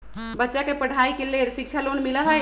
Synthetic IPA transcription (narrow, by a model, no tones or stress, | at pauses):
bətːʃakepəɽ̤ʱaːikeleɾsɪk̚t͡ʃʰalonmiləɦə